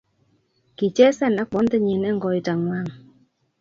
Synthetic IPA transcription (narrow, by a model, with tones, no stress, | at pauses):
ki˨t͡ʃɛ˦sɛ˦˨na˦k͡pɔ˨˦ntɛ˦ɲi˨nɛ˦ŋ̩˦ɡɔ˨i˨ta˨ŋwa˦˨ŋ